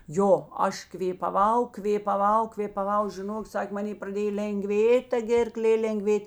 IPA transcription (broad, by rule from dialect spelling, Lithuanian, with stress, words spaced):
ˈjoː ˈɐʃ kʋʲeːpɐˈʋɐʊ kʋʲeːpɐˈʋɐʊ kʋʲeːpɐˈʋɐʊ ʒʲɪˈnoːk ˈsɐkʲ mɐˈnʲeː prɐˈdʲeːj lʲɛŋˈɡʋʲeːtʲ tɐ ˈɡʲeːrˌklʲeː lʲɛŋˈɡʋʲeːtʲ